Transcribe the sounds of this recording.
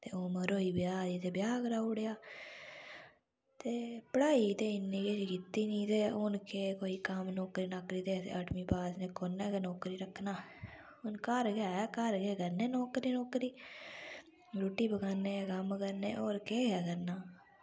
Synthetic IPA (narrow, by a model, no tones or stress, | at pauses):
t̪eːoməɾoːiːbjaːd͡ʒiːt̪eːbjaːkəɾaːʊɽejaː | t̪eːpəɽaːit̪eːɪnːẽːkeːd͡ʒikɪt̪ːiːnĩːt̪eːʊnkeːkoːiːkəmnɔːkɾiːnaːkɾiːt̪eːt̪ḛəʈmiːpaːd͡ʒnẽːkoːneːkenɔːkɾiːɾəkʰːnaː | ʊnkəɾɡejaːaːkəɾɡeːkəɾneːnɔːkɾiːnɔːkɾiː | ɾuːʈːiːbəkaːneːkəmkəɾnḛːʔoːɾkeːɡjaːkəɾnaː